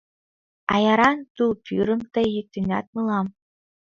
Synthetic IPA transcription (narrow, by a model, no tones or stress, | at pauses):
ɑjɑɾɑnt̪ulpʰʲyɾɤ̆mt̪ɤ̆jit̪ynʲɑt̪̚mɤ̆lˠɑm